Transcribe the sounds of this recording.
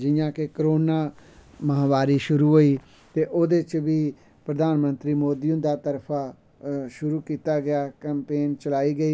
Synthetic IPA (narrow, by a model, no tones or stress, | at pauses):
d͡ʒɪjãːkekəɾoːnaːməɦaːʋaːɾiːʃʊɾuːɦoːiː | t̪eːʔoːd̪et͡ʃʋiː | pɾəd̪aːnmənt̪ɾiːmoːd̪iːʊ̃nd̪aːt̪əɾpʰaː | ʃʊɾuːkiːt̪aːɡɪaːkɛːmpeːnt͡ʃəlaːiːɡəiː